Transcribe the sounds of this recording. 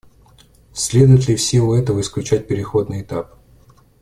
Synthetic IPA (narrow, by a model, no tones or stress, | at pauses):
sʲlʲe̞d̪ʊjɪt̪ʲlʲɪfsʲelʊɛt̪əvəɪsklʲʉt͡ɕæt̚ʲpʲɪɾʲɪxo̞d̪nɨjɪt̪ap